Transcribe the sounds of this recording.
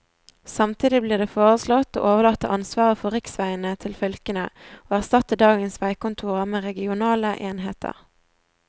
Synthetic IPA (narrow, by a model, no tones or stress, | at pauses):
sɑmt̪ʰiːd̪ɪbliːʁd̪eːfoːʁəslɔt̪o̰ːʔoːʋəʁlɑt̪ːəʔɑnsʋɑːʁəfɔʁɪksʋæɪənət̪ʰɪlfœlkənə̰oːæʁst̪ɑt̪əd̪ɑːɡənsʋæɪkʊnt̪ʰuːʁəmeːʁɛɡɪʊnɑːləʔeːnhḛːt̪ʰə̰ʁ